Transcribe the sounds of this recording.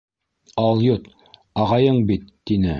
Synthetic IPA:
ɑlˠjut̪ | ɑʁɑjɤɴbit̪ːinɘ

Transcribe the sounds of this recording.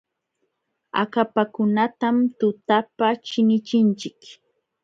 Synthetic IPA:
a̰kapakʊnat̪amt̪ʊt̪apat͡ʃɪnɪt͡ʃɪnt͡ʃɪk

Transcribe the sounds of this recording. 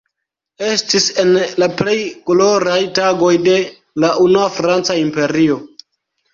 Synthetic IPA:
e̞stise̞nlaple̞jkoloɾajtaɡo̞jde̞ | laʔunuafɾant͡saimpe̞ɾio̞

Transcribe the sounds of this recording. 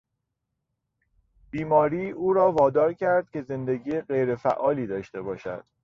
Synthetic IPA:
b̥iːmɒːɾiːuːɾɒːvɒːd̪ɒːɾcʰæɾd̪̥̚cʲʰe̞ze̞nd̪e̞ɟiːeɢe̞jɾefæʔɒːliːd̪ɒːʃt̪e̞bɒːʃæ̰d̪̥

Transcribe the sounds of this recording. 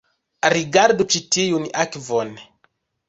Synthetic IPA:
ɾiɡaɾdut͡ʃitijunakvɔn

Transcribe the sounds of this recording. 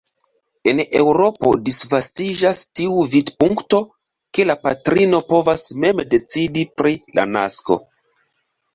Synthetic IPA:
e̞ne̞wɾo̞po̞̰disvastid͡ʒastiuvidpuŋkto̞ | ke̞lapatɾino̞po̞vasme̞mde̞t͡sidipɾilʔa̰na̰sko̞̰

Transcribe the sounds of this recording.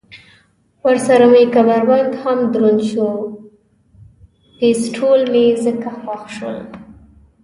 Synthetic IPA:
waɾsaɾamejkabaɾwand̪hamd̪ɾonʃo | t̪esʈʰolmezəkaxwaxʃə̰l

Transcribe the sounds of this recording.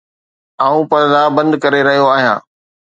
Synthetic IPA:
aːũpɐɾd̪abɐ̃nd̪kɐɾeɾɐɦijoaːɦijã̰ː

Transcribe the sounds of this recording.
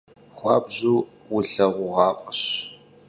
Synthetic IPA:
χʷɑːbʑuː | wʊɬɐʁʷʊʁɑːqʼəɕ

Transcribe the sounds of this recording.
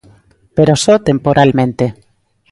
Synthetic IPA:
peɾosot̪empoɾʔalmẽnt̪e

